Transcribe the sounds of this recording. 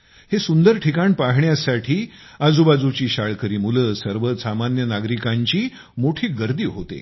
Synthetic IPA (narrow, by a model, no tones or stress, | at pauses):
hesund̪əɾʈʰikaɳpaɦɳjasaʈʰiːad͡zubad͡zut͡ɕiːɕaɭkəɾiːmuləsəɾʋəsamanjənaɡɾikaɲt͡ɕiː | moʈʰiːɡəɾd̪iːɦot̪ḛ